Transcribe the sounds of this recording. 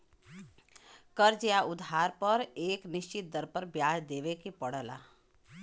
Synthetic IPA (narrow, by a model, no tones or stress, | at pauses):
kəɾd͡ʒjaʔʊd̪ʱɦaːɾpəɾeːknɪʃt͡ʃit̪̚d̪əɾpəɾbjaːd͡ʒd̪eːʋekipəɽ̤əla̰